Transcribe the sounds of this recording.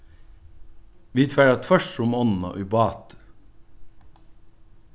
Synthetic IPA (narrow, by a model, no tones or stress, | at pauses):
ʋiːt̪ʰʋæɾət̪ʰœʃɾʊmɔnn̩o̰ːʔʉbɑːt̪